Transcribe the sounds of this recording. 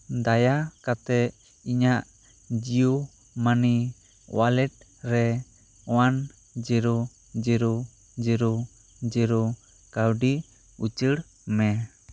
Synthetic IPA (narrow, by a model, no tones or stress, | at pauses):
d̪ajakat̪ɛ | iɲaʔ | d͡ʒiju | mani | walɛt̪̚ | ɾɛ | wan | d͡ʒiɾo | d͡ʒiɾo | d͡ʒəɾo | d͡ʒəɾo | kawɖi | ut͡ʃəɽ | mɛ